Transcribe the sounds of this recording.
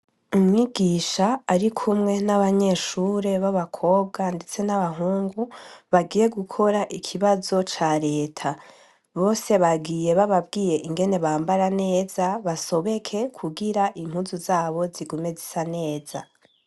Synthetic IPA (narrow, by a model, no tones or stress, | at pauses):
umŋiɡiːʃaːɾikʰumŋe̞naβaɲe̞ʃuːɾe̞βaβakʰo̞ːb̚ɡande̞t͡se̞naβaɦuːŋɡuβaɡiːje̞ɡukʰo̞ɾaʔikʰiβazo̞t͡ʃaɾe̞ːtʰa | βo̞ːse̞βaɡije̞βaβabɡiːje̞ʔiŋɡe̞ne̞βaːmbaɾane̞ːzaβaso̞βekʰe̞kʰuɡiɾaʔiŋ̥huːzuzaːβo̞ziɡume̞zisane̞ːz̥a̰